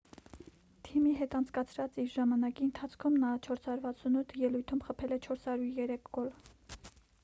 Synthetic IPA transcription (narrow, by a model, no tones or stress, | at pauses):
t̪ʰimiɦɛt̪ɑnt͡sʰkɑt͡sʰɾɑt͡siɾʒɑmɑnɑkiənt̪ʰɑt͡sʰkʰumnɑt͡ʃʰɔɾshɑɾuɾvɑt͡sʰunut̪ʰjɛlujt̪ʰumχəpʰɛlɛt͡ʃʰɔɾshɑɾjuɾjɛɾɛkʰɡɔl